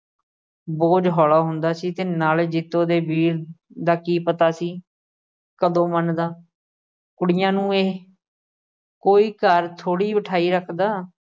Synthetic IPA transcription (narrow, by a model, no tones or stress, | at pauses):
boːd͡ʒɦɔːlaːɦʊnd̪aːsiːt̪eːnaːld͡ʒɪt̪õːd̪eːbiːɾd̪aːkiːpət̪aːsiː | kəd̪õːmənd̪aː | kʊɽɪjãːnũːeː | koːiːkəɾt̪ʰoːɽiːbəʈʰaːiːɾəkʰd̪aː